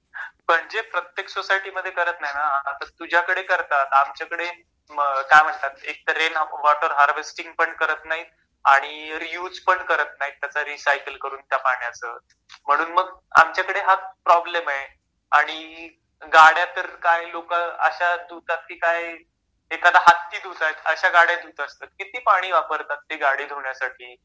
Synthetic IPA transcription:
pəɳd͡zepɾət̪jeksosajʈiməd̪ʱːjekəɾət̪naɦinaːt̪at̪ud͡ʑʱjakəɽekəɾt̪at̪amt͡ɕjakəɽe | kajm̤əɳt̪at̪̚ek̚t̪əɾenʋɔʈəɾɦaɾʋesʈiŋɡ̚pəɳkəɾət̪naɦi | aɽ̃iɾijuːd͡zpəɳkəɾət̪naɦit̪jat͡saɾisajkəlkəɾuːnt̪japaɳjasə̰ | m̤əɽ̃uːnməɡa̰mt͡ɕjakəɽeɦat̪pɾɔblemaɦe | aɽ̃i | ɡaɽjat̪əɾkajlokaə̰ɕad̪ut̪at̪̚kiːkaj | ekad̪aɦat̪ːiːd̪ut̪aet̪əɕaɡaɽjad̪ut̪əst̪at̪kit̪iːpaɽ̃iːʋapəɾt̪at̪̚ːiːɡaɽiːd̪ʱoɳjasaʈʰiː

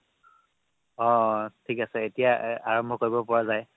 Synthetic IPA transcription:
ɔ̃tʰikasɛetijaaɹɔmbʱɔkoɹibɔpɔɹazaj

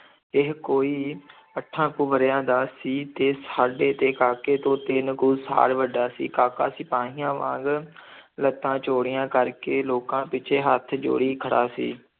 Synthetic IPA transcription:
ɪɦkoːiː | əʈʰːãːkuːʋəɾjãːd̪aːsiːt̪eːsaːɖeːt̪eːkaːkeːt̪õːt̪eːnkuːsa̰ːɽʋəɖaːsḭːkaːkaːsiːpãːɦɪjãːʋã̰ːɡ | lət̪ːãːt͡ʃoːɽɪjãːkəɾkeːloːkãːpɪt͡ʃʰeːɦət̪ʰd͡ʒo̰ːɽiːkʰəɽa̰ːsḭː

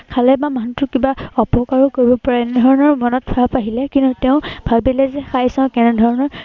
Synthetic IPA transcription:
kʰalɛbamantʊkibaɔpɔkaɹɔkoɹibɔpɔɹaɛnɛdʱɔɹɔnɔɹmɔnɔt̚pʰaapaɦilɛkintutɛʊ̃bʱalbɛlɛzɛxajsãʊ̃kɛnɛdʱɔɹɔnɔɹ

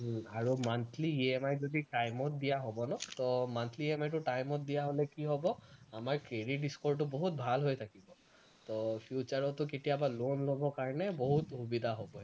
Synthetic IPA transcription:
aɹumant̪ʰliemajzodiʈajmɔt̚d̪ijaɦobɔnɔt̪ɔmant̪ʰliemajtʊʈajmɔt̚dijaɦolɛkiɦɔbɔamaɹkɹeɖiʈ̚ɖiskɔɹʈ̬ʊbɔɦut̚bʱalɦojt̪ʰakibɔ | t̪ɔpʰjut͡ʃaɹɔtʊketijabalonlobɔkaɹɔnɛboɦut̪hubid̪ʱaɦobɔɛ

